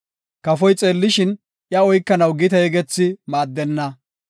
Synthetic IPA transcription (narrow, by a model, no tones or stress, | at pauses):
kɐfɔjt͡sʼe̞ːlːɪʃɪn | ʔjɐɔjkːɐnɐwɡɪt̪ɐjɛɡɛt͡sːɪmaːd̪ːɛnːɐ